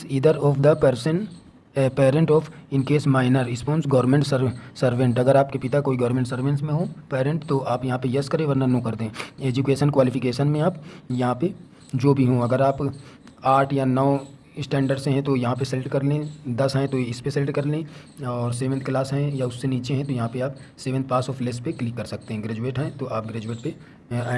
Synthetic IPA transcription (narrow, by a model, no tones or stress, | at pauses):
siːd̪əɾɔːfʰd̪əpɐɾsən | peːɾə̃ɳʈɔːfɪnkeːsmaːɪnəɾɪspõːnsɡɔːɾmẽɳʈsəsɐɾʋẽɳʈɐɡəɾaːp̚kepɪt̪akoːiɡɔːɾmẽːɳʈsɐɾʋẽnsmẽɦõpeːɾə̃ɳʈt̪oʔaːpjɐɦãpejɐskɐɾeʋəɾnənõːkɐɾd̪ẽeːd͡ʒukeːʃənkʋaːlɪfʰɪkeːʃənmẽaːpjɐɦãpe | d͡ʒoːbʱiɦõɐɡəɾaːp | aːʈʰjanɔː | ɪsʈɛ̃ːɳɖəɾɖseɦɛ̃t̪ojɐɦãpesɐlɪʈkɐɾlẽd̪ɐsɦɛ̃t̪oɪspeselɪʈkɐɾlẽ | ɔːɾseːʋə̃nt̪ʰklaːsɦɛ̃jaʊsːeniːt͡ʃeɦɛ̃t̪ojɐɦãpeaːpseːʋə̃nt̪̚ʰpaːɾsɔːfʰlespeklɪkːɐɾsɐk̚t̪eɦɛ̃ɡɾeːd͡ʒueːʈɦɛ̃t̪oʔaːp̚ɡɾeːd͡ʒueːʈ̚pe